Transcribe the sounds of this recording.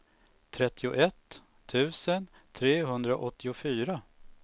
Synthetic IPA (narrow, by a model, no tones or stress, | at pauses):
t̪ʰɾɛt̪ʰːɪʊʔɛt̪ʰː | ʉ̟ːsən | t̪ʰɾeːɦɵnd̪ɾaʔɔt̪ʰːɪʊfyːɾa